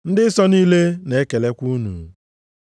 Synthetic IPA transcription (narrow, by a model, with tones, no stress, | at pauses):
n̩˦dɪ˦sɔ˦niː˦le˦ne˨e˦ke˨le˦kʷu˦nṵ˨